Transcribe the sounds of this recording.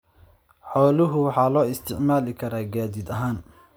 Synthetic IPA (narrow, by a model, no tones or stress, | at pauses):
ħɔːlɪɦʊwɑħɑːlɔːɪst̪ʰɪʕmaːlɪkʰɐɾaːɡaːðɪd̪ɐɦaːn